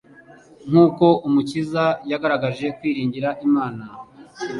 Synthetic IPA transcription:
ŋ̥uːko̞ʔumucizajaɡaɾaɡaʒe̞kwiːɾiːɲɟiɾaʔimaːna

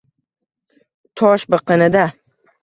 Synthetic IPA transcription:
t̪ʰɒʃbɨqɨnɪd̪a

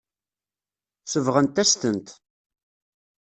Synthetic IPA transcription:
səvʁənt̪æst̪ənt̪

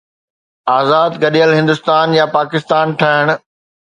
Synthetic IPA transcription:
aːzaːd̪ɡɐɗiəlɦɪ̃nd̪ʊst̪aːnjapaːkɪst̪aːnʈʰaɦɪɽ̃

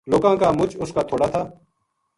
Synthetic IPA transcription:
loːɡãːkaːmʊt͡ʃʊskaːt̪ʰoːɽaːt̪ʰaː

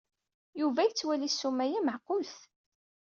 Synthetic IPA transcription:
juvæjt͡sːwælisːumæjæməʕqʊlθ

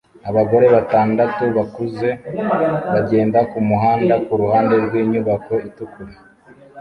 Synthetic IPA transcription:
aβaɡo̞ɾe̞βataːndatuβakuze̞ | βaɟe̞ːndakumuɦaːndakuɾuhaːnde̞ɾɡwiːɲuβako̞itukuɾe

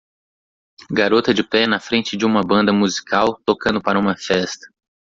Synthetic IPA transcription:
ɡaɾot̪ɐd͡ʒɪpɛnɐfɾẽnt͡ʃɪd͡ʒɪũmɐbɐ̃nd̪ɐmuzikawt̪okɐ̃nd̪ʊpaɾɐũmɐfɛst̪ɐ̥

